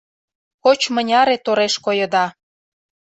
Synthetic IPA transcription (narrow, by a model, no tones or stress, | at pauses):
kot͡ɕmənʲɑɾet̪oɾeʃkojə̆d̪ɑ